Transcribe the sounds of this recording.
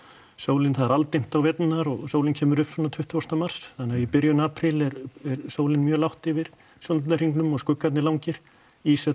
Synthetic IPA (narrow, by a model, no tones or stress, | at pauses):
soːwlɪnθaðɛɾalt̪ejm̥t̪awvɛt̪nnaɾɔɣsoːwlɪncʰɛːmʏɾʏhpswɔːnat̪ʰʏht̪ʰʏɔst̪amar̥sθanɪaipɪɾjʏnaːpʰɾɪlɛɾɛɾsoːwlɪnmjœːlawht̪ɪvɪɾ̥ | sjɔnt̪ar̥hiŋknʏmɔɣskʏkːat̪nɪlawɲcɪɾ̥ | isɛ